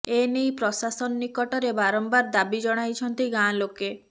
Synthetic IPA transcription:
enejpɾɔsasɔnːikɔʈɔɾebaɾɔmbaɾd̪abid͡ʒɔɽ̃ajt͡ʃʰɔnt̪iɡãloke

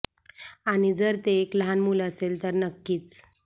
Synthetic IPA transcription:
añid͡zəɾt̪eːkləɦanmuləselt̪əɾnəkːiːt͡s

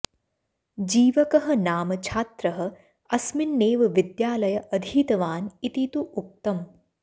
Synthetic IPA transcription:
d͡ʒiːʋɐkɐɦɐ̆naːmɐt͡ʃʰaːt̪ɾɐɦɐ̆ | ɐsmɪnːeːʋɐʋɪd̪jaːlɐjɐʔɐd̪ʱiːt̪ɐʋaːnit̪it̪uʔuk̚t̪ɐm

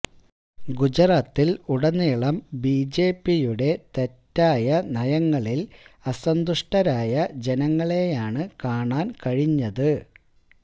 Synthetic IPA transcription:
ɡud͡ʑɐɾaːt̪ːiluɽɐnːiːɭɐmbiːd͡ʑeːpːijuɽe̞t̪e̞tːaːjɐnɐjɐŋːɐɭilɐsɐnd̪uʂʈɐɾaːjɐd͡ʑe̞nɐŋːɐɭe̞jaːɳɨkaːɳaːnkɐɻiɲːɐðɨ

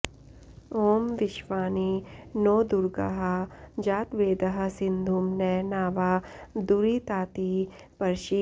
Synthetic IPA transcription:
oːmʋɪʃʋaːninoːd̪ʊɾɡə̰ɦad͡ʒaːt̪ʋeːd̪əɦɐsɪ̃nd̪ʱumnɛnaːʋad̪uɾit̪aːt̪i | pɐɾʃi

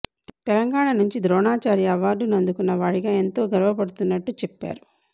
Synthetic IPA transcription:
t̪ɛlɐŋɡaːɳɐnuɲt͡ʃid̪ɾɔːɳaːt͡ʃaːɾiɐʋaːɾɖunɐnd̪ukunːɐʋaːɽiɡaːe̞nt̪o̞ːɡɐɾʋɐpɐɽut̪unːɐʈːut͡ʃɛpːa̰ːɾu

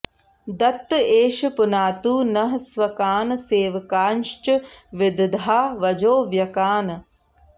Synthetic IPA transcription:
d̪ɐt̪ːeːʃpʊnaːt̪uːnɐɦɐsʋɐkaːnseːʋɐkaːnʃt͡ʃəʋɪd̪d̪ʱaːʋɐd͡ʒoːʋjɐkaːn

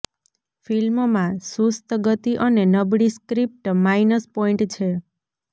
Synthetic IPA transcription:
filmmãsust̪əɡət̪iʔənenəbɽiskɾip̚ʈmainəspoiɳʈt͡ʃʰe

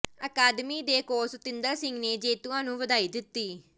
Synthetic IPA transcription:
əkaːd̪miːd̪eːkoːst̪ɪnd̪əɾsɪ̃ŋɡneːd͡ʒeːt̪uãːnũːʋəd̪aːiːd̪ɪt̪ːiː

